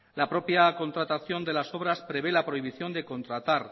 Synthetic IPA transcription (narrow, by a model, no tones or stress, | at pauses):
lapɾo̞pjako̞nt̪ɾat̪aθjo̞nd̪e̞laso̞β̞ɾaspɾe̞βe̞lapɾo̞iβ̞iθjo̞nd̪e̞ko̞nt̪ɾat̪aɾ